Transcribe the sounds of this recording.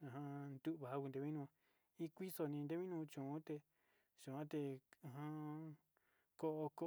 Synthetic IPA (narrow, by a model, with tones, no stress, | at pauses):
ã˨ɦã˧nd̪u˦ʔβa˧˨ɦa˦ku˧nd̪e˧βĩ˦nũ˧ | i˦kʷi˦so˧nĩ˧d̪e˦βĩ˦nũ˧t͡ʃũ˨ũ˦t̪e˧ | ʃu˨ã˦t̪e˧˨ɦã˧ | ko˧ʔo˧ko˦